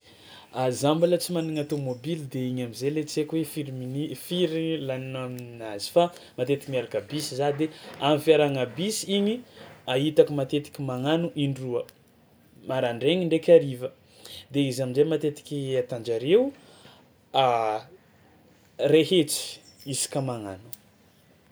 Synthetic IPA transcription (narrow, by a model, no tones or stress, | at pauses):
azambalət͡simaniŋat̪omobilid̪eiɲamizelet͡sekwefiɾiminifiɾilaninaminnazi̥fa | mat̪et̪ikimiaɾkabisizad̪eamifiaɾaŋabisiɲiaɦit̪akimat̪et̪i̥kʲimaŋanuʔiɳɖ͡ʐuə | maɾaɳɖ͡ʐeɲiɳɖ͡ʐekʲaɾivə | d̪eizaminzemat̪et̪i̥kʲiat̪and͡ʒaɾew | a | reɦet͡si̥isi̥kamaŋanu̥